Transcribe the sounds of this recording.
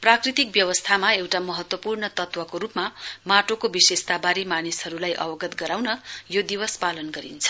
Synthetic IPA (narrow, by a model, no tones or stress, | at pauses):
prakrit̪ik̚bjʌwʌst̪ʰamaewʈamʌɦʌt̪wʌpurnʌt̪ʌt̪wʌkoɾupmamaʈokobisest̪abaɾimanisɦʌɾulajʔʌ̰bʌɡʌt̪ɡʌɾawnʌjod̪iwʌspalʌnɡʌɾḭnt͡sʰʌ̥